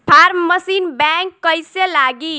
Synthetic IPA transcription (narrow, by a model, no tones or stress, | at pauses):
pʰaɾməsinbɛŋkːəjselaɡi